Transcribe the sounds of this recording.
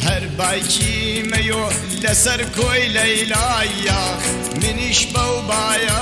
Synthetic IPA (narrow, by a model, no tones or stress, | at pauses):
hɐɾbaːjt͡ʃi | mɐjo | lɐsɐɾkʰoːjlɐjlaːjaː | mɪniʃbɐwbaːja